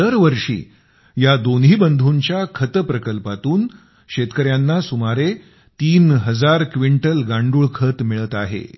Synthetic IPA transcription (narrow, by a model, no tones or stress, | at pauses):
əɾʋəɾʂḭː | jad̪onɦiːbənd̪ʱuɲt͡ɕjakʰət̪əpɾəkəlpat̪uːn | ɕet̪kəɾjanːasumaɾe | t̪iːnɦəd͡zaɾkʋiɳʈəlɡaɳɖuːɭkʰət̪miɭət̪aɦḛ